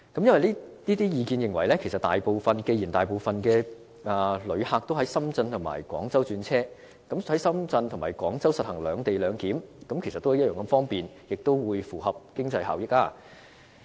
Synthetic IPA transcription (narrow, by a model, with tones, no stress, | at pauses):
kɐ˨˥mjɐ˥nwɐ˨jliː˥liː˥t̪iː˥jiː˨˧kiː˧njɪ˨ŋwɐ˨˩jlɛː˥kʰe˨˩jsɐ˨t̪a̰ː˨jpo˨˧wfɐ˨nke˧jiː˨˩nt̪aː˨jpo˨˧wfɐ˨nkɛː˧ | aː˨˧lɵ˨˧ɥhaː˧k̚t̪o˥wɦɐ˨˥jsɐ˥mt͡sɐ˧nt̪ʰʊ˨˩ŋma̰ː˨˩jkʷɔ̰ː˨˥ŋt͡sɐ˥wt͡ʃyː˧nt͡sʰɛː˥ | kɐ˨˥mhɐ˨˥jsɐ˥mt͡sɐ˧nt̪ʰʊ˨˩maː˨˩jkwɔ̰ː˨˥ŋt͡sɐ˥wsɐ˨t̚hɐ˨˩ŋlœː˨˧ŋt̪e˨jlœː˨˧ŋkiː˨˥mkɐ˨˥mkʰsɐ˨t̪ːo˥ɐ˨˥j̚jœː˨ŋkɐ˨˧˥fɔː˥ŋpiː˨n | jɪ˨k̚t̪o˥wwuː˨˧jfuː˨˩hɐ˨p̚kɪ˥ŋt͡sɐ˧jɦa̰ː˨wjɪ˥k̚aː˧